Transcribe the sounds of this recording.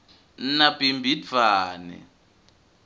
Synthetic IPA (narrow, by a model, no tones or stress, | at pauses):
napimbʱid͡v̪aːnɛ̰